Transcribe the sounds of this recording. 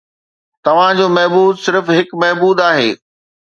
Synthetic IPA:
t̪ɐʋ̤ãd͡ʑoːmɐɦbuːd̪sɪɾfɦɪkmɛɦbuːd̪aːɦeː

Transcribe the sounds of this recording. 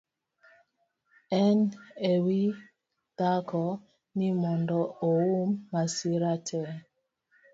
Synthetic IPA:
ɛnewi | d̥akɔ | nimɔndɔowumːasiɾatʰɛ

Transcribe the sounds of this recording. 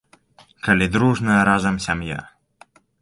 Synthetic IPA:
kɐlʲid̪ɾuʐnɐɾazɐmsʲamja̰

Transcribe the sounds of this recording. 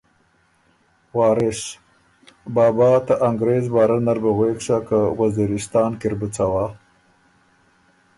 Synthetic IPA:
wɑːɾɪʃ | bɑːbɑt̪aʔaŋɡɾeːzbɑːɾanaɾbaɣwekʂakawaziɾɪst̪ɑːnkɪɾbut͡sawa

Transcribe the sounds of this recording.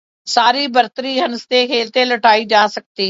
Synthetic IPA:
saːɾibəɾt̪əɾiɦɐnst̪ekʰeːlt̪eləʈaːid͡ʒaːsɐk̚t̪iː

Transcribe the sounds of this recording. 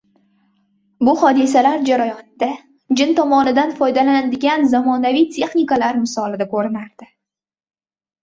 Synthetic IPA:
bʊhɒd̪ɪs̬alaɾd͡ʒaɾajɒnd̪a | d͡ʒɪnt̪ʰɒmɒnɪd̪anfɒjd̪alanad̪ɪɡʲanzamɒnavijt̪ʲʰe̞χnikalaɾmɪsɒlɪd̪akʰɵɾɪnaɾd̪̥ɪ

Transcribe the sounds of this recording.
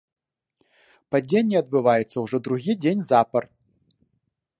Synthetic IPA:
pad͡zʲenʲːɛɐd̪bɨvajɛt̪sːɐwʐɔd̪ɾuɣʲid͡zʲenʲzapɐr

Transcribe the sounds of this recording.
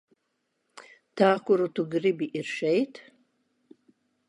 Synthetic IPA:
tʰaːkʷʊɾutʰuɡribiʔirʃejtʰ

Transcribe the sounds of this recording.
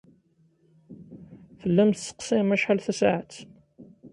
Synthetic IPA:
θəlːæmt̪sə̥qsɪmæʃħalθæsaʕat̪

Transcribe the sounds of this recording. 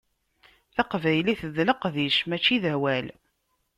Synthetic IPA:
θɑqvæjliθəðləqðiʃmæt͡ʃːiðæwæl

